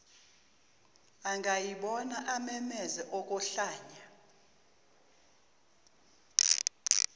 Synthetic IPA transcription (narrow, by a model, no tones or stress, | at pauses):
aŋɡʱajiɓɔnaʔamɛmɛzɛʔɔkʼɔɬaːɲa